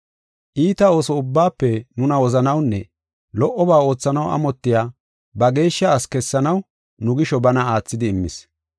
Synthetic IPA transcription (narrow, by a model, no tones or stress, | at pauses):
ʔiːt̪ɐo̞ːsɔʊbːaːpːɛnʊnɐwɔzɐnɐwnːɛ | lɔʔːɔbaːo̞ːt͡sːɐnɐwɐ̰mɔt̪ːɪjaː | bɐɡe̞ːʃːɐːskɛsːɐnɐw | nʊɡɪʃɔbɐnɐaːt͡sːɪd̪ɪːmːɪs